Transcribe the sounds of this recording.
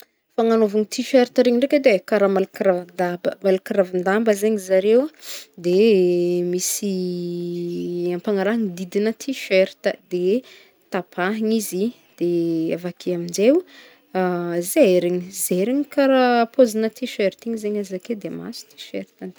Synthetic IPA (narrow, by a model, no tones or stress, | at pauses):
faŋanovuŋit̪ʰiʃeɾit̪əɾeɲiɳɖ͡ʐekəd̪ekaɾamalukɾavand̪abəmalukiɾavand̪ambəzeɲizaɾewd̪e | misi | ampaŋaɾaŋid̪id̪inət̪ʰiʃeɾit̪əd̪e | t̪apʰaɦiɲizi | d̪̥eavakʰiamind͡ʒew | zeeɾeɲizeɾiɲikaɾapʰozinət̪ʰiʃeɾit̪iɲizeɲazaked̪ema̰su̥t̪i̥ʃḛɾit̪an